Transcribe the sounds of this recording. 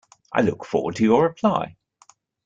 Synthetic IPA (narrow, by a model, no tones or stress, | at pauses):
ʔa̰ɪlʊ̰kfɔ̰ːwə̰d̚tʰɨjəɹɪpʰl̥aɪ